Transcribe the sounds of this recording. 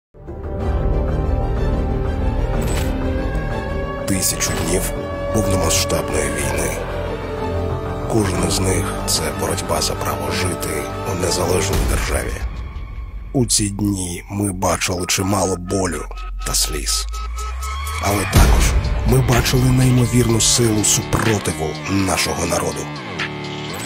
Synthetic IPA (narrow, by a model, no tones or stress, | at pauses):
t̪ɪsʲɐt͡ʃʊdʲnʲiw | pɔwnɔmɐsʃt̪ɑbnɔjiʋʲijnɪ | kɔʒnɔznɪxt̪sɛbɔɾɔdʲbɑzɐpɾɑ̰ʋɔʒɪt̪ɪ | unezɐlˠɛʒnʲɔjid̪ḛrʒɑ̰ʋʲḭ | ut͡sʲid̪ʲnʲi | mɪbɑt͡ʃɪlˠɪt͡ʃɪmɑlˠɔbɔlʲʊ | t̪ɐsʲlʲḭs | ɐlˠɛt̪ɑkɔʒ̥mɪbɑt͡ʃɪlˠɪnɐimɔʋʲirnʊsɪlˠʊsʲʊprɔt̪ɪʋʊ | nɑʃɔɦɔnɐɾɔd̪ʊ